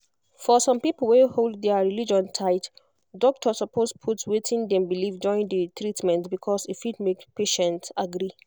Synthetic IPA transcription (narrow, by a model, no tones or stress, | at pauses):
fɔsɔ̃mpipəl̩ˠweholddɛɹilid͡ʒɔ̃ntʰaɪt | dɔk̚tʰɔsɔpʰospʰutwetʰĩndɛ̃mbilifd͡ʒɔɹĩndətɹitmɛ̃ntbikʰɔsifidmekpʰeʃɛ̃ntaɡɹi